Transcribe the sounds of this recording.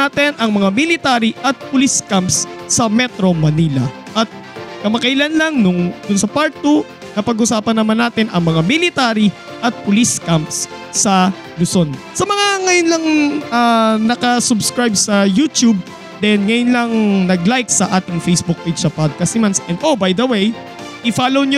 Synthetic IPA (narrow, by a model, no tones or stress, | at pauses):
aːt̪ɛnʔɐŋmɐŋamɪlɪt̪aːɾiʔɐt̪̚pʊliskampsːɐmɛt̪ɾo̞mɐnilɐ̰ʔɐt̪̚ | kɐmɐkɐjlanlɐŋnʊŋd̪ʊnsɐpaɹ̚t̪u | nɐpɐɡʊsaːpɐnːɐmanːaːt̪ɪnʔɐŋmɐŋamɪlɪt̪aːɾi | ʔɐt̪̚pʊliskampsːɐ | lʊso̞n | sɐmɐŋaŋɐjonlɐŋanɐkɐsʊbskɹajb̚sɐjut̪jub̚ | d̪ɛnŋɐjʊnlɐŋnɐɡlajksɐʔaːt̪ɪŋfejsbʊk̚ped͡ʒsɐpad̪̚kɐst̪ɪmansʔɛnd̪ʔobajd̪ɐwej | ʔɪfaːlowɲ